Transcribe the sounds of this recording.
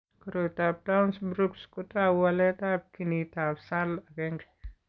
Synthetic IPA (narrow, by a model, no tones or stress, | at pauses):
kuɾotab̚tawnsbɾukskutawalɛtab̚kinitapsalakɛŋɡɛ̥